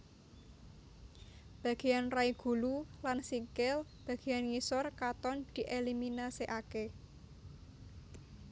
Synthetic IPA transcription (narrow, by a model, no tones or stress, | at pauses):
b̥ä̤ɡ̥e̤janraiɡ̥ṳlulansiŋkɪlb̥ä̤ɡ̥e̤janŋisɔrkat̪ɔnd̪̥i̤ʔeliminasiʔake